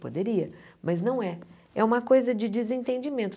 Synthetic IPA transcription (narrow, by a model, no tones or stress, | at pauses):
pod̪eɾiɐmɐznɐ̃w̃ɛ | ɛ̰ũmɐkojzɐd͡ʒɪd͡ʒɪzẽnt̪ẽnd͡ʒɪmẽnt̪